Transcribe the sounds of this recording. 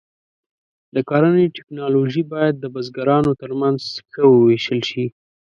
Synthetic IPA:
d̪əkɑɾəneʈɪknɑloʒibɑjad̪̚ːəbazɡaɾɑnot̪əɾmanzxəwəweʃəlʃi

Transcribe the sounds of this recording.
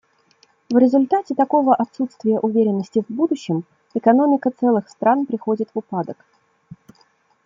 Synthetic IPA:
vɾʲɪzʊlʲt̪atʲɪt̪ɐko̞vəʔɐt̪sut̪st̪vʲɪjəʔʊvʲeɾʲɪnːəsʲtʲɪvbud̪ʊɕːɪm | ɪkɐno̞mʲɪkət̪sɛlˠɨxst̪ɾanpɾʲɪxo̞dʲɪt̪vʊpad̪ək

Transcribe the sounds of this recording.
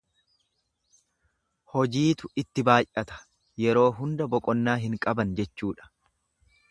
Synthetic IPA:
hɔd͡ʒiːt̪ʊɪt̪ːɪbaːjʔɐt̪ɐ̥ | jɛɾo̞ːɦʊnd̪ɐbɔkʼɔnːaːɦɪŋkʼɐbɐnd͡ʒɛt͡ʃːuːᶑɐ̥

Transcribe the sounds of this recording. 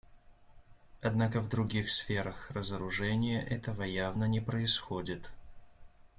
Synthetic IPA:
ɐd̪nakəvd̪ɾʊɡʲixsfʲeɾəxrəzəɾʊʐɛnʲɪjəʔɛt̪əvəjavnənʲɪpɾəɪsxodʲɪt̪

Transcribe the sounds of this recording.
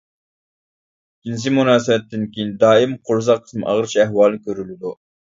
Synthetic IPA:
kʲːins̬ɪmunɑːsɪwɛt̪ʰːɪnkʲejind̪ɑːimqʰʊɾzɑqʰːə̥smʔɑ̰ʁəɾt͡ʃʰiæhwɑːlˠnɪkʲʰøɾylɪd̪u

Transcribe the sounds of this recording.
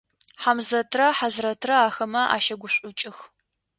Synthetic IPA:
ħamzɐtʰrɐħazrɐtʰrɐaːxɐmɐʔa̰ːʃɐɡʷʊɕʷʼʊt͡ʃʼɪx

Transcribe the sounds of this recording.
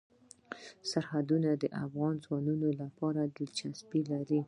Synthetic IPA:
saɾhad̪unad̪əʔafɣɑnzwɑnunolapɑɾad̪ət͡ʃaspilaɾi

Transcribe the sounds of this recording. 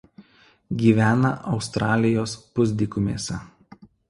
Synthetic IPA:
ɡʲiːʋʲæːnɐʔɒʊst̪ɾɑːlʲɪjoːspʊzʲd̪ʲɪkʊmʲeːsʲɛ

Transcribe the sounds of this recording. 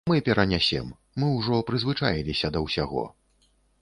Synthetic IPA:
mɨpʲɛɾɐnʲasʲɛ̰mː | ɨwʐɔpɾɨzvɨt͡ʂajilʲisʲɐd̪ɐwsʲaɣɔ̰

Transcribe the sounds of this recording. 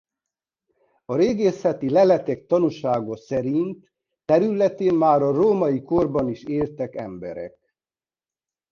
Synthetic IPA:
ɒɾeːɡeːsɛt̪ilɛlɛt̪ɛk̚t̪ɒnuʃaːɡosɛɾint̪ː | ɛɾylɛt̪eːmmaːɾɒroːmɒiko̞rbɒniʃeːlt̪ɛkɛ̰mbɛ̰ɾɛ̰k

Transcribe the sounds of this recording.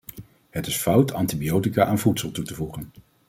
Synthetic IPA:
hətɪsfʌwtʰɑntibiowtikaːʔanvutsəlˠtutəvuχən

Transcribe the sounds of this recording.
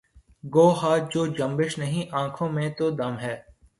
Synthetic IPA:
ɡoːɦaːd͡ʒoːd͡ʒɐ̃mbɪʃnɐɦĩʔãːkʰõːmẽt̪oːd̪ɐmɦɛː

